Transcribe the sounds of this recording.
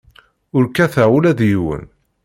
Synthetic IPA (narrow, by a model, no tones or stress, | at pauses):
ʊɾkæθaulæðjiwə̰n